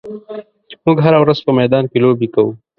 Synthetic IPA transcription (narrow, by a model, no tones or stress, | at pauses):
mʊɡɦaɾawɾɐzpəmɛd̪ɑːnkeloːbikɐwu